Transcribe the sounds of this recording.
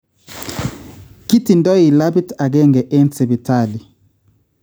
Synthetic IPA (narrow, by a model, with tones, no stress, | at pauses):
ki˦ti˨ndɔ˦i˨la˦bi˦ta˨ɡ̬ɛ˦ŋɡɛ˨ʔɛ˦nt͡se˨bi˨tʰa˦˨li˨